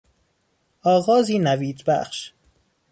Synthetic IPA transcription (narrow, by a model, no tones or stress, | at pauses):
ʔɒːɣɒːziːnæviːd͡ʒbæ̰χʃ